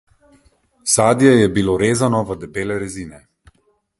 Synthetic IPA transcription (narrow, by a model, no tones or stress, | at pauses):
saːd̪jɛjɛbiloɾeːzanɔʋəd̪ɛbeːlɛɾɛziːnɛ